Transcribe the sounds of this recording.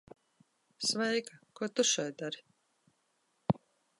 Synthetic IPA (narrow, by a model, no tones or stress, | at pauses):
svɛjkakuɔt̪uʃɛjd̪aɾi